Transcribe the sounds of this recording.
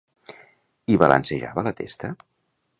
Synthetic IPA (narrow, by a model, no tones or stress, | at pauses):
iβalə̰nseʒa̰βələt̪ḛst̪ə